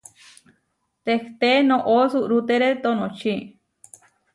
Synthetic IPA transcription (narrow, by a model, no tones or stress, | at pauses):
t̪ekt̪enõʔosuʔɾut̪eɾet̪onõt͡ʃʰi